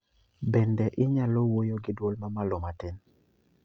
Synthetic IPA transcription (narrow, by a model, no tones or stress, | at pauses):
bɛndɛʔɪɲalɔwojoɡɪdwolmamalomatin